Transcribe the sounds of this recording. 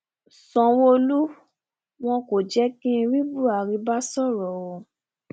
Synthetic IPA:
sɔ̃˨wo˧lu˦ | w̃ɔ̃˧ko˨d͡ʒɛ˦kĩ˦˧ɾi˦bu˦˨a˨ɾi˧˦ba˦sɔ˦˨ɾɔ˨wo˨

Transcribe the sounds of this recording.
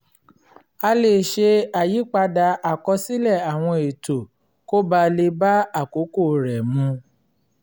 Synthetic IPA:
a˧le˦˨ʃe˧a˨ji˨˦k͡pa˧da˧ʔa˨kɔ˧si˦lɛ˦˨a˨w̃ɔ̃˧e˨to˨ | ko˦ba˧le˧ba˦a˦˨ko˨˦ko˦˨ɾɛ˨mũ˧

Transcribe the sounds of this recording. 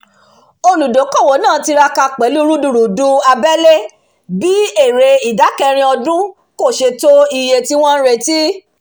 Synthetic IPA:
o˧lu˨do˨˦kɔ˦˨wo˨˦nãː˦˨ti˧ɾa˧ka˧k͡pɛ˨˦lu˦ɾu˦du˨ɾu˨du˦a˧bɛ˦le˦ | bi˦e˦˨ɾe˧i˨da˨˦kɛ˧ɾ̃ĩ˧ɔ˧dũ˦ | ko˦˨ʃe˧to˦i˧je˧ti˦w̃ɔ̃˦ɾe˦˨ti˦

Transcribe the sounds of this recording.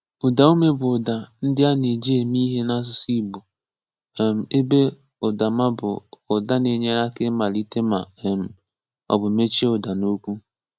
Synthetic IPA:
ʊ˨da˨u˦me˦bʊ˨da˨n̩˦dɪ˦a˦ne˨d͡ʒi˦e˨mi˦ɦe˦na˦s̬ʊ˦si˦bu˨ | m̩˨e˦be˦ | ʊ˨da˨ma˦bʊ̰˨ʊ˨da˦ne˨ɲe˦ɾa˦kɪ˦ma˨li˦te˦ma̰˨m̩˨ | ɔ̰˨bʊ˨me˦t͡ʃe˦ʊ˨da˨no˦kʷu˦

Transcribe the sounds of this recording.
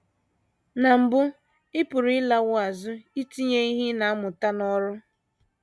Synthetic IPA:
na˨m̩˨bʊ˦ | ɪ˦pʊ˨ɾɪ˦la˦wʊ˦a˨zʊ˦i˦ti˦ɲe˦i˦ɦi˦na˨a˦mʊ˨ta˦nɔ˦ɾʊ˦

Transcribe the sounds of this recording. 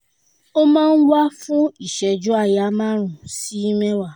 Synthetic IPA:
o˦mãː˦˧n̩˦wa˦fũ˦i˦˨ʃɛ˧d͡ʒu˦a˧ja˨˦mãː˦ɾ̃ũ˨si˨˦i˦mɛ̃˦wa˦˨

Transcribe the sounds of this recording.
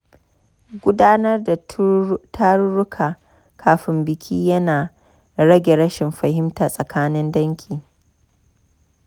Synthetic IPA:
ɡʷʊ˦daː˦nɐ˦rda˨tʰa˦ɾɾʊ˦kʰaː˨ | kʰaː˨ɸɪ˦mbɪ˨kʲʰiː˦jɐ˦naː˨ | ɾɐ˦ɡʲe˨ɽɐ˦ʃɪ˨mɸɐ˨hɪ˦mtaː˨sʼɐ˨kaː˦nɪ˦ndɐ˦ŋkʲʰiː˨

